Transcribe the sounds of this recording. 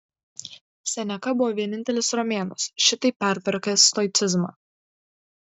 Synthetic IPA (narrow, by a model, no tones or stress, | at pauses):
sʲɛnʲɛkɐbʊʋɔːʋʲiɛnʲɪnʲt̪ʲɛlʲɪsɾɔmʲeːnɐsʃʲɪt̪ɐɪpʲːæˑɾʲt̪ʲʋʲɛɾkɐst̪ɔɪt̪sʲɪzmɑ̰ː